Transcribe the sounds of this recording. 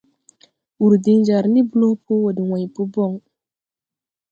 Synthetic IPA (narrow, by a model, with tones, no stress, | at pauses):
u˨ɾdi˦ŋd͡ʒa˨ɾni˦bu˦lo˦pʰo˦wo˨di˨wã˨jpu˦bɔ˦˨ŋ